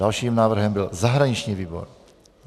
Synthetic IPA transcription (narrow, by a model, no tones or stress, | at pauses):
alʃiːmnaːvr̩ɦɛmbɪlzaɦɾaɲɪt͡ʃɲiːviːbo̰ɾ